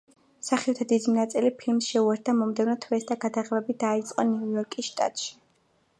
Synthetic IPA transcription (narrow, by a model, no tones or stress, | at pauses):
saχiɔt̪ʰad̪id̪inat̪sʼilipʰilmsʃɛuɛɾt̪̚d̪amɔmd̪ɛvnɔt̪ʰwɛsd̪aɡad̪aʁɛbɛbid̪ait̪sʼqʼɔniujɔɾkʼisʃt̪ʼa̰t̪ʼʃi̥